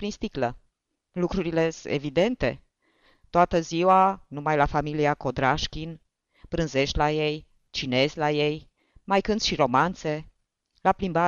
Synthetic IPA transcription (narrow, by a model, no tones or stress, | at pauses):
pɾinst̪iklə | lukɾuɾile̞ḛvid̪e̞nt̪e̞ | t̪oat̪əziwanumajlafamiliako̞d̪ɾaʃkʲin | pɾɨnze̞ʃt̪ʲlaje̞j | t͡ʃine̞zʲlaje̞j | majkɨnd̪ʃiɾo̞mant̪se̞ | laplimba